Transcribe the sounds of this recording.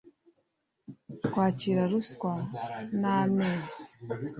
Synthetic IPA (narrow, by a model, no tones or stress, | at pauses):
kwaːciɾaɾuskwanameːzi̥